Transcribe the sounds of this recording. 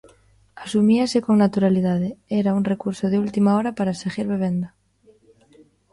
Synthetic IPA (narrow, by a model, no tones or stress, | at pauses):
asumiasekoŋnat̪uɾaliðað̞eeɾaunrekuɾsoð̞eult̪imaoɾapaɾaseɣiɾβeβ̞end̪a